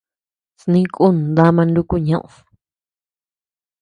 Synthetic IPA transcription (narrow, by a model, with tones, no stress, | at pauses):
snĩ˦kʼu˦ñ˨d̪a˦mã˧ndu˧ku˦ɲã˦ʔṵ̃˨